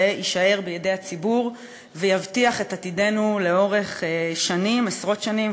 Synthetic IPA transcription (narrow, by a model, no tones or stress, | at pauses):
iʃae̞ʁbejedejat͡sibuʁ | vejavtiaχe̞tatide̞nule̞o̞ʁe̞χʃanimesʁo̞tʃanim